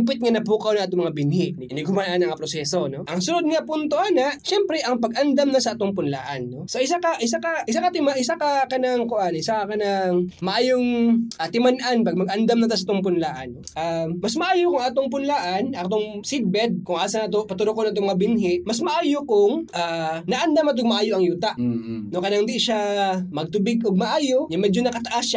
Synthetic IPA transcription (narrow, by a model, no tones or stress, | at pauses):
p̬ɪt̪̚ŋanɐp̬ukɐwnɐŋʔaːt̪oŋmɐŋabɪnhɪʔnɐɪnɪɡhʊmanʔanɐŋapɾosɛːsonoʔɐŋsʊnod̪̚ɲapunt̪oʔanɐʔʃɛmpɾɛʔɐŋpɐɡ̚ʔɐnd̪ɐmnɐsɐʔaːt̪oŋpʊnla̰ːʔɐ̰nːo̞sɐʔɪs̬akɐʔɪsakɐʔɪsakɐt̪ɪmaʔɪsakɐkɐnaŋkoʔanʔɪsakɐkɐnaŋmɐʔaːjoŋʔat̪ɪmanʔanpɐɡ̚mɐɡ̚ʔɐnd̪ɐmnɐt̪asaʔaːt̪oŋpʊnlaːʔɐ̰noʔaːɐsmɐʔaːjokʊŋʔaːt̪oŋpʊnlaːʔanat̪oŋsɪd̪̚bɛd̪̚kʊŋʔaːsɐnat̪opɐt̪ʊɾokonʔat̪̬omɐŋabɪnɦɪʔmɐsmɐʔaːjokʊŋʔaːnɐʔɐnd̪amɐt̪̬oɡ̚mɐʔaːjoʔɐŋjuːt̪aʔnokɐnaŋd̪iʔɪʃamɐɡ̚t̪ʊbɪɡoɡ̚mɐʔaːjoɲɐmɛd͡ʒonɐkɐt̪ɐʔasa